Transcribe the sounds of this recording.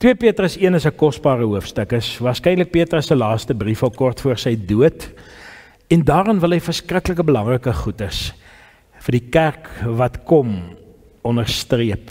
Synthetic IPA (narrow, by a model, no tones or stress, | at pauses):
twiəpiətrəsiənəsəkɔsbɑːɾəɦuəfstəkəsvɑːrskɛjnlək̚piətrəsəlɑːstəbrifɐlˠkɔrtfuərsəjduət | ɛndɑːrənvəlˠɦɛjfərskrəkləkəbəlɐŋrəkəχutəs | fərdikærkvɐtkɔm | ɔnərstriəp